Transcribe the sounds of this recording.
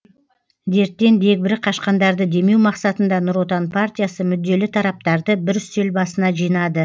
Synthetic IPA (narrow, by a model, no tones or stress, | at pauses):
d̪e̞ɾt̪ːe̞nd̪e̞k̚bɪɾɪqʰɑʃqɑnd̪ɑɾd̪əd̪e̞me̞wmɑqsɑt̪ənd̪ɑnʊɾwo̞t̪ɑnpʰart̪ʲijasəmʏd̪ːe̞lɪt̪ʰɑɾɑp̚t̪ɑɾd̪əbɪɾselbɑsənɑʒijnɑd̪ə